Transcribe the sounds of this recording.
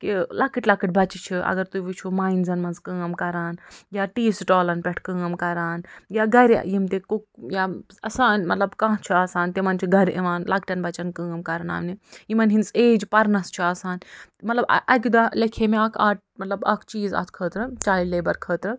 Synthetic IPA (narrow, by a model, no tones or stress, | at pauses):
kilakiʈlakiʈ̚bɐt͡ʃit͡ʃʰiʔɐ̰ɡɐɾt̪uʋit͡ʃʰumaːinzɐnmɐnzkɨɐmkɐɾaːnjaːʈiːsʈoːlɐnpʲeʈʰkɨ̃ɐmkɐɾaːnjaːɡɐɾʲa̰jimt̪ekuk̚jaːɐsaːnmɐt̪lɐbkãːɦt͡ʃʰiaːsaːnt̪imɐnt͡ʃʰiɡɐɾḭmaːnlakʰʈɐnbɐt͡ʃɐnkɨɐmkɐɾɐna̰ːmniimɐnɦinseːd͡ʒpɐɾnɐst͡ʃʰiaːsaːnmɐt̪lɐbɐ̰ʔɐkʲid̪alɐkʰemeɐkʰaːʈ̚ | mɐt̪lɐbɐkʰt͡ʃiːzɐ̰t̪ʰkʰəːt̪ɾɨt͡ʃaːjleːbɐɾkʰəːt̪ɾɨ